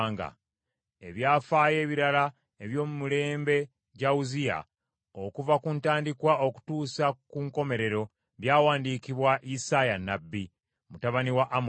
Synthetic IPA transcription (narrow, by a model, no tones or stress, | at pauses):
ŋɡa̰ | e̞βjaːfaːje̞ːβiɾala | eβjo̞ːmumule̞ːmbe̞ | ɟauzija̰ | okuvakuntaːndikwaʔo̞ku̥tuːsakuŋko̞me̞ɾe̞ɾo̞ | βjaːwaːndiːkiβwaʔisajanːabːi | mutaβaniwaʔːm